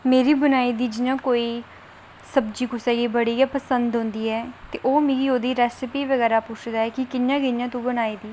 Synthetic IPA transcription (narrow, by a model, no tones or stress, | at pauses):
meːɾiːbənaːiːd̪iːd͡ʒɪnãːkoːiː | səbd͡ʒiːkʊsɛːɡiːbəɽiːapəsə̃nd̪ɦõːnd̪iːɛːt̪eːʔoːmĩɡiːoːd̪iːɾɛːsɪpiːʋəɡɛːɾaːpʊt͡ʃʰd̪aːɛːkɪkɪnjãːɡɪnjãːt̪ũːbənaːiːd̪iː